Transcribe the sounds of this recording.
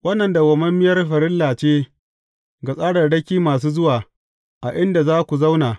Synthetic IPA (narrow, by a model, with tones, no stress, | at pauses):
wɐ˦nːɐ˨nda˨ɡɐ˨mɐ˦mːɪ˦jɐ˦rɸɐ˨ɾɪ˦lːaː˨t͡ʃeː˦ | ɡa˨sʼaː˦ɽɐ˨rɽɐ˦kʲiː˦maː˨s̬uː˦zʊ˦waː˨ | ʔa˨ʔɪ˦nda˨zaː˦kʷu˨za˦wnaː˨